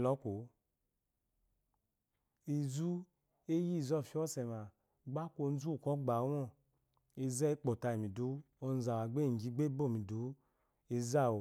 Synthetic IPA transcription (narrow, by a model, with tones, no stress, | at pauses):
lɔ˨˦ko˨ | i˨zu˦ | e˦ji˦˨zɔ˦˨fi˧˦ɔ˦˨sɛ˨ma˨ | ɡ͡ba˦kʷo˧˨n˦zu˦˨kɔ˦ɡ͡ba˨˦wɔ˦˨ | e˧zɛ˦k͡po˨ta˧i˨mi˨do˨˦o˧n˦za˨wa˨ɡ͡be˦˨ɡi˨˦ɡ͡be˦bo˦˨mi˨do˨˦ | e˧za˦˨o˨